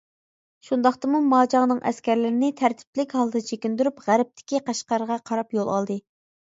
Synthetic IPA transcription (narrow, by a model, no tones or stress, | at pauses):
ʃund̪ɑχt̪ɨmumɑːd͡ʒɑŋnɨŋʔɛ̰skʲæɾlɪɾɪnɪt̪ʰæɾt̪ʰɪ̥plɪkʲhɑlˠd̪ɨt͡ʃʰekʲind̪yɾypʁæɾɪp̚t̪ʰɪ̥kʲiqɑʃqɑɾəʁɑqʰɑɾɑpjolˠɑ̰lˠd̪ɨ